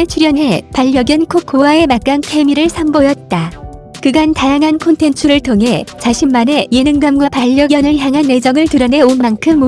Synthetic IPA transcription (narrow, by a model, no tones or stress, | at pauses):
et͡ɕʰuɾjʌnɦe̞paʎːʌɡjʌnkʰok͈̚owae̞mak͈ankʰemiɾɯɭsʰambojʌt̚t͈a | kɯɡantajaŋɦankʰontʰe̞nt͡ɕʰuɾɯɭtʰoŋɦe̞t͡ɕaɕʰimːane̞je̞nɯŋɡamɡwapaʎːʌɡjʌnɯɭçjaŋɦanːe̞d͡ʑʌŋɯɭtɯɾʌne̞onmːankʰɯmːu